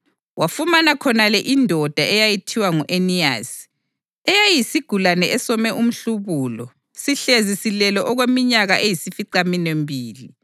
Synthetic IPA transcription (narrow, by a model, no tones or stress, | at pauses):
wafumanakʰɔnalɛʔindʱɔd̥ʱaɛjajitʰiwaŋuʔenia̰s | ɛjajisiɡ̥ʱulanɛʔɛsɔmɛʔum̩ɬuβuːlɔ̰ | siɬezisilɛlɔʔɔɣwemiɲaɣaʔejisifiǀaminembʱiːli